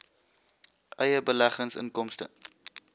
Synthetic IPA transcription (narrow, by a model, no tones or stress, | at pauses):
ʔəjəbəlæχənsə̰nkɔmstə̰